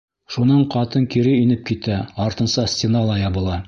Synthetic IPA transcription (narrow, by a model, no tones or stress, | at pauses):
ʃunɑɴqɑt̪ɤŋkiɾɘinɘp̚kit̪æɒɾt̪ɤ̆nsɑsʲtʲenɑlˠɑjɒbɤ̆lˠɑ